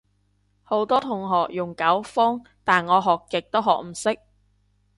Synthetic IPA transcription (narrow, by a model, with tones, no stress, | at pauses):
ho˨˥wt̪ɔː˥t̪ʰʊ˨˩ŋɦɔː˨k̚jʊ˨˩ŋkɐ˨˥wfɔː˥ŋ | t̪aː˨˩nŋɔː˨˧ɦɔː˨˩kːɪ˨k̚t̪o˥wɦɔ̰ː˨˩k̚m̩˨˩sɪ˥k̚